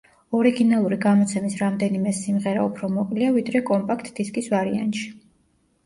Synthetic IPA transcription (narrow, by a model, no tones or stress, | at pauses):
ɔɾiɡinalˠuɾiɡamɔt̪sʰɛmisɾamd̪ɛnimɛsimʁɛɾa̰upʰɾɔmɔkʼliavid̪ɾɛkʼɔmpʼakʰt̪ʼd̪̥iskʼisvaɾia̰nt̪ʃi̥